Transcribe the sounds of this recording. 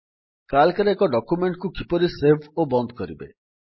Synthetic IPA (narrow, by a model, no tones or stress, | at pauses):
kalkaɾeekɔɖɔkjumeɳʈkukipɔɾisebʱobɔnd̪ɔkɔɾḭbḛ